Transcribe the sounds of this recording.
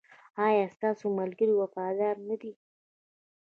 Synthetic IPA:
ɑjɑst̪ɑsomalɡəɾiwafɑd̪ɑɾnad̪i

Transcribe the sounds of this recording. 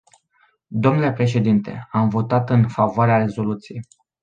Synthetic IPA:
d̪o̞mnule̞pɾe̞ʃ̬e̞d̪int̪e̞̰amvo̞t̪at̪ɨnfavoaɾeaɾe̞zo̞lut̪sijej

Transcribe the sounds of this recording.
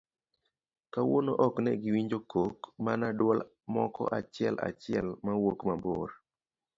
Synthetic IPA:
kawonoʔɔknɛɡɪwiɲd͡ʒokokmanadwɔl | mɔ̰kɔ̰ʔat͡ʃɪɛla̰t͡ʃɪɛlmawokmabo̰ɾ

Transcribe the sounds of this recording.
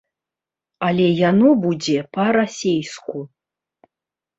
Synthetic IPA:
alʲɛjanɔbud͡zʲɛpɐɾasʲejsku

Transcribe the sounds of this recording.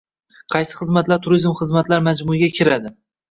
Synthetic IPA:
qʰɑjsɪ̥χɨzmat̪laɾt̪ʰʊɾizmχɨzmat̪laɾmad͡ʒmʊɪɡʲakʲʰɪɾad̪ɪ

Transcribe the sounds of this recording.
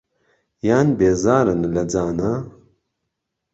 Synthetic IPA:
jaːnbeːzaːɾɨnlɐd͡zaːna

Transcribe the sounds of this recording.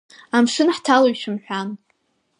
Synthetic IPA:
amʂɨnħtʰaloɥʃʰɨmħʷᶣan

